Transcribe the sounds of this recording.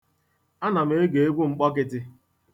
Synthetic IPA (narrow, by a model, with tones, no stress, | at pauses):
a˦na˨m̩e˦ɡe˨e˦ɡʷu˦ŋ͡m̩˨k͡pɔ˦k̬ɪ˦tɪ˦